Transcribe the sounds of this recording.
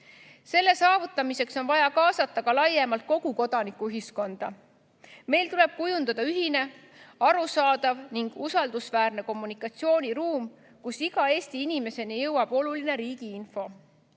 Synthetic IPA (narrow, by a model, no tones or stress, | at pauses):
se̞lːe̞sɑːvut̪ːˑɑmise̞kso̞nvɑjɑkɑːsɑt̪ːˑɑkɑlɑjːemɑlt̪̚ko̞ɡ̥uko̞d̪̥ɑnikːuyɦisko̞nd̪̥ɑ | me̞jlt̪ule̞b̥̚kujund̪ɑd̪̥ɑyɦine̞ | ɑɾusɑːd̪̥ɑvniŋɡ̥usɑld̪usvæːrne̞ko̞mːunikːˑɑt̪sio̞ːnʲiɾuːm | kusiɡ̥ɑe̞ːst̪iinime̞se̞nijɤwɑb̥o̞luline̞ɾiːɡ̥iinfo̞